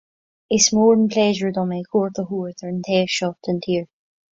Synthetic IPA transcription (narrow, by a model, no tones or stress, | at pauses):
ɪsmɔːɹdən̩pʰlɛʒəɹd̪ɔmekʰɔɹt̪əɦuɹθəɹənt̪ʰeːʃɔp̚tə̃ntʰiːɹ